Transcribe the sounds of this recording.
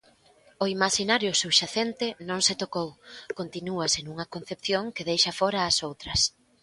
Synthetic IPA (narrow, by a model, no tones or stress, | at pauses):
oimaʃinaɾjʊsuβʃaθent̪ɪnõŋsɪt̪okowkont̪inuɐsenuŋɐkon̟θepθjoŋkeðejʃɐfɔɾɐːsowt̪ɾɐs